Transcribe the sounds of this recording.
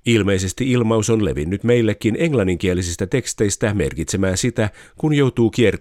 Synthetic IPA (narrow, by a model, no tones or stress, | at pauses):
ilme̞ise̞st̪iilmɑuso̞nle̞̰ʋḭnːyt̪me̞jlːekːine̞ŋlɑnːiŋk̟iælːisist̪æt̪e̞kst̪e̞jst̪æme̞̰rkit̪semæːnsit̪ækunjo̞wt̪uːkier